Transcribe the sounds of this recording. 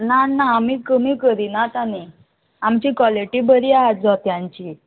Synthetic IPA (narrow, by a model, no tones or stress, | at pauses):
nanːaːmiːkəmiːkəɾinat̪ani | amt͡ɕiːkʋɔleʈiːbəɾiːaɦad͡zɔt̪jãɲt͡ɕi